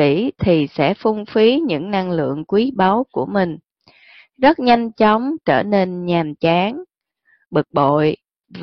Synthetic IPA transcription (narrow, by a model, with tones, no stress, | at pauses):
ḭ˧˥t̪ʰi˨˩sɛ̰˧˥fu˧ŋ͡mfi˨˦ɲɨ̰˧˥ŋna˧ŋlɨ̰˧˨əŋkwi˨˦ɓa˨˦wku˧˩əmï˨˩ŋ̟ | zə˦˥t̚ɲa˧jŋ̟t͡ɕɔ˨˦wŋ͡mt͡ɕəː˧˩ne˧nɲaː˨˩nt͡ɕaː˨˦ŋ | ɓɨ˨˩k̚ɓo̰˧˨j | v